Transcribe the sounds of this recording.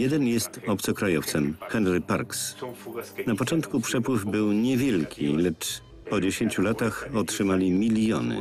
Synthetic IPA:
jɛd̪ɛnjɛst̪ɔp̚t̪sɔkɾajɔft̪sɛmxɛnɾɘpa̰ɾks | napɔt͡ʂɔnt̪kupʂɛpwɘvbɘwɲɛvʲjɛlkʲʰḭlɛt͡ʂ | pɔd͡ʑeɕeɲt͡ɕulat̪axɔtʂɘmalʲimʲilʲjɔ̰nɘ̰

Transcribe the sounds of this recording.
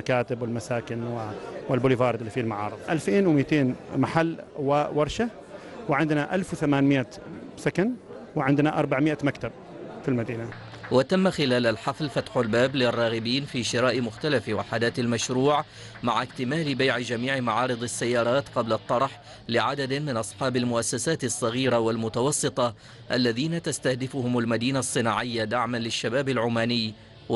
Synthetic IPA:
akaːt̪ɪbwɪlmasaːkɪnwɪwɪlbʊːlivɑːɾɨd̪ɪlːifiːlmaʕɑ̰ːɾɨðˤʔalfeːnwmiːt̪eːnmaħalːwawɑɾˤʃa | wɪʕɪnd̪naʔalfwθamaːnmɪʔa | sakanwɪʕɪnd̪naʔɑɾˤbaʕmɪʔamakt̪ab̚ | filmad̪iːna | wat̪amːaxɪlaːlalħɑflfat̪ħʊlbaːblɪrˤːɑːɣɪbiːnfiːʃɪɾaːʔmʊxt̪alafwaħad̪aːt̪almaʃɾuːʕ | maʕakt̪ɪmaːlɪbajʕɪd͡ʒamiːʕɪmaʕɑːɾɨd̪ˤɪsːajːɑːɾˤɑːt̪qɑblɑt̪ˤːɑɾˤħ | lɪʕad̪ad̪mɪnʔɑsˤħɑːbalmʊʔasːasaːt̪ɪsˤːɑɣiːɾawalmʊt̪awɑsˤːɨt̪ˤɑ | ʔalːaðiːnat̪ast̪ahd̪ɪfʊhʊmalmad̪iːnasˤːɨnaːʕɪjːad̪aʕmanlɪʃːabaːbɪlʕʊːmaːnɪjː

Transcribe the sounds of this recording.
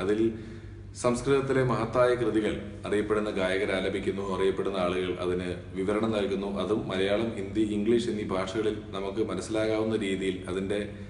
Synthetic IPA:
ɐðil | sɐmskrɨðɐt̪ːile̞mɐɦɐt̪ːaːjɐkrɨðiɣɐɭ | ɐrijɐpːe̞ɽunːɐɡaːjɐɣɐɾaːlɐbʱikʲːunːuɐrijɐpːe̞ɽunːɐaːɭuɣɐɭʔɐ̰ðinɨ | ʋiʋɐɾɐɳɐnnɐlkunːuʔɐðumːɐlɐjaːɭɐmind̪jɐiŋɡɭiːʂenːibʱaːʂɐɣɐɭilnɐmukːɨmɐnɐsːilaːɣaːʋunːɐɾiːðijilɐðinde̞

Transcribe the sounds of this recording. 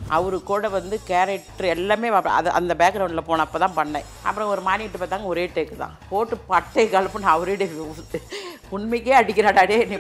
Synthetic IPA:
ʔɐʋɐɾɯkːoːɽɐʋɐnd̪ɯkeːɾɛʈːɐɾɛlːaːmeːɐ̰̃ɐ̰ðɯʔɐ̰nd̪ɐbeːkɾɐʊɳɪlɐpoːnɐ̃ːɐpːɐːt̪ãːpɐɳːɐ | ʔɐ̰pːɯɾɔ̃ɔɾɯmaːnɪɪʈːɯpaːt̪ːaːŋɡɐɔɾeːʈːekːɯt̪ã̰ːpoːʈːɯpɐʈːɐkːaːlɐpːɯ̃naɐʋɐɾɪɽeʋ | ʊɳmɪkːeːɐɽɪkːɪɾaːɽaːɽeːɛnːi

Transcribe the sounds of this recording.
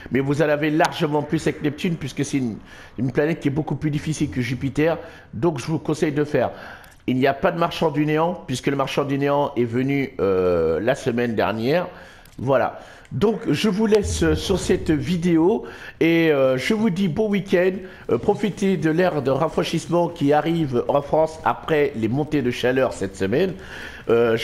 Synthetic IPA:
mɛvuzalavelaʁʒəmɑ̃plysɛknɛp̚t̪ynpɥiskəsɛt̪yn | ynplanɛt̪̚kʲiɛbokuplyd̪ifisilkəʒypit̪ɛʁ | d̪ɔ̃kʒəvukɔ̃sɛjd̪əfɛːʁ | ilnijapad̪əmaʁʃɑ̃d̪yneɑ̃pɥiskələmaʁʃɑ̃d̪yneɑ̃ʔɛvənyølasəmɛnd̪ɛ̰ʁnjɛʁ | vwala̰ | d̪ɔ̃kʒəvulɛsøːyʁsɛt̪vid̪eoeøʒəvud̪ibowikʲɛd̪ | pχɔfit̪ed̪əlɛʁd̪əʁafχɛ̃ʃismɑ̃kʲiaʁivʔɑ̃fχɑ̃sa̰pχɛlemɔ̃t̪ed̪əʃalœʁsɛt̪səmɛn | ø

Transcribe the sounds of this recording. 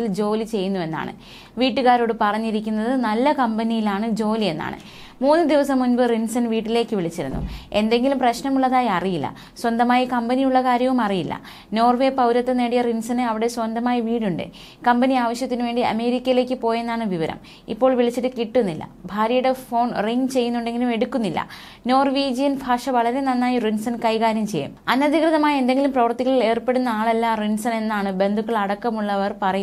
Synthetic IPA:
ild͡ʑo̞ːlit͡ɕe̞jːunːue̞nːa̰ːɳɨ̰ | ʋiːʈːɨɣaːɾo̞ːɽɨpɐrɐɲːiɾikʲːunːɐðɨnɐlːɐkɐmbɐnijilaːɳɨd͡ʑo̞ːlie̞nːa̰ːɳɨ̰ | muːnːɨd̪iʋɐsɐmːunbɨrinsɐnʋiːʈːile̞ːkːɨʋiɭit͡ɕːiɾṵnːṵe̞nd̪e̞ŋɡilumprɐɕnɐmuɭːɐðaːjɐrijilːɐ̰ | swɐnd̪ɐmaːjikɐmbɐnijuɭːɐkaːɾjɐʋumɐrijilːɐ̰ | no̞ːrʋe̞ːpɐwɾɐt̪ːɐneːɽijɐrinsɐnɨɐʋiɽe̞swɐnd̪ɐmaːjiʋiːɽuɳɖɨ̰ | kɐmbɐniaːʋɐɕjɐt̪ːinuʋe̞ːɳɖiɐ̰me̞ːɾikʲːɐjile̞ːkʲːɨpo̞ːjenːaːɳɨʋiʋɐɾɐ̰m | ḭpːo̞ːɭʋiɭit͡ɕːiʈɨkiʈːunːilːɐ̰bʱaːɾjɐjuɽefo̞ːnriŋt͡ɕe̞jːunːuɳɖe̞ŋɡilume̞ɽukːunːilːɐ̰ | no̞ːrʋiːd͡ʑijɐnbʱaːʂɐʋɐɭɐɾe̞nɐnːaːjirinsɐnkɐjkaːɾjɐmt͡ɕe̞jːṵmɐnːɐd̪ʱikrɨðɐmaːje̞nd̪eŋɡilumprɐʋɐrt̪ːiɣɐɭile̞ːrpe̞ɽunːɐaːɭɐlːarinsɐne̞nːaːɳɨbe̞nd̪ʱukːɐɭɐɽɐkːɐmuɭːɐʋɐrpɐrɐju

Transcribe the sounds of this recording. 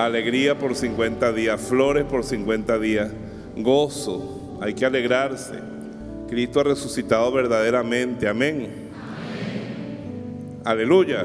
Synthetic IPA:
ale̞ɣɾiapo̞ɾsiŋkwe̞nt̪aðiasflo̞ɾe̞spo̞ɾsiŋkwent̪aðias | ɣoso | ajkeale̞ɣɾaɾsḛ | kɾist̪oare̞susit̪aðoβe̞ɾðað̞eɾamẽ̞nt̪eamẽ̞ŋ | ale̞luʝa

